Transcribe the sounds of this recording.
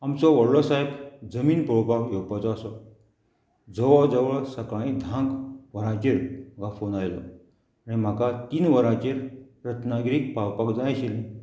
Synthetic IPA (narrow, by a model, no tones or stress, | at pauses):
amt͡sɔʋəɽɭɔsaibd͡zəmiːnpɾɔwpakjewpat͡sɔasɔ | d͡zəʋɔd͡zəʋəɭsəkãĩd̪ʱãŋɡʋəɾãt͡ɕiɾmm̤əkafonajlɔ̰ | aɽ̃im̤akat̪iːnʋəɾãt͡ɕiɾ | ɾət̪ʰnaɡɾiːk̚pawpakd͡zãaɕilẽ